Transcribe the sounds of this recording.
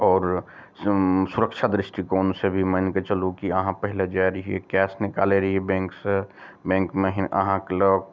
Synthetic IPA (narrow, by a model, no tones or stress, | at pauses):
ɔːɾ | sʊɾəkʃʰad̪ɾɪsʈikoːnsebʱiməɪnket͡ʃəlukiəɦãpəɦɪled͡ʒaɾəɦiekɛːsnɪkaːleɾəɦiebɛ̃ːŋksebɛ̃ːŋkmẽɦʔəɦãkeloːk